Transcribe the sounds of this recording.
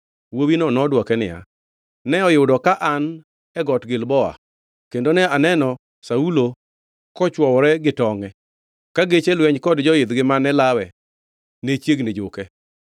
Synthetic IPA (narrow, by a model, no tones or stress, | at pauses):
wowinɔnɔdwɔkɛnɪ̰ja̰ | nɛɔjʊdɔkaʔan | ɛɡɔtɡɪlbɔa̰ | kendonɛanɛnɔ | saulo | kɔt͡ʃwɔwɔɾɛɡɪtɔŋɛ | kaɡet͡ʃelwɛɲkɔdd͡ʒɔjɪd̪ɡɪmanɛlawɛ | net͡ʃjeɡned͡ʒʊkɛ